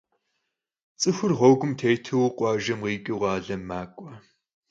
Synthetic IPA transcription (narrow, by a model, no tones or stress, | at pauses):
t͡sʼɨxʷʊrʁʷɔwɡʷʊmtʰeːjtʰɨwqʷʼɑːʒɐmʁiːkʲʼiʁɑːɮɐmaːkʷʼɔ